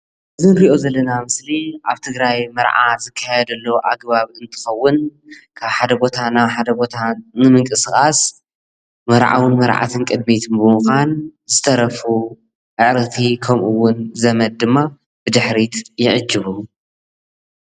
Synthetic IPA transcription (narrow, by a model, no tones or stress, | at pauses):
ʔɨzɨnɾiʔo̞zɐlːɐnamɨsliʔaβt̪ʰɨɡɾajmɐɾʕa̰z̥ɨkʰːajɛd̪ɐlːɐwʔaɡ̚βaβiɨnt̪ʰɨ̥xɐwːʊnkʰaβħad̪ɐbo̞t̪ʰanaβħad̪ɐbo̞t̪ʰanɨmɨŋkʼɨsɨxʼas | mɐɾʕa̰wɨnmɐɾʕa̰t̪ʰɨnkʼɨd̪mit̪ʰɨnbɨmuxʷanzɨt̪ʰɐɾɐfu | ʕɨʕɾɐt̪ʰikʰɐmʔuwːʊnzɐmɐl̚d̪ɨmːa | b̥ɨd̪ɨħɾit̪jɪʕɨd͡ʒːɨβu